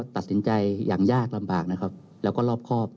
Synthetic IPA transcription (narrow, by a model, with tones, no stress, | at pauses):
t̪a˨˩t̪̚si˩˦nt͡ɕa˧jja̰ː˨˩ŋjaː˥˩k̚la˧mbaː˨˩k̚na˦˥kʰa˦˥p̚ | lɛ˦˥wkɔː˥˩lɔː˥˩p̚kʰɔː˥˩p̚